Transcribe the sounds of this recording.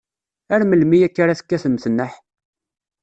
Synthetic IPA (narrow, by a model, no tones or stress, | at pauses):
æɾməlmijækːaɾaθə̥kːæθəməθnːəħ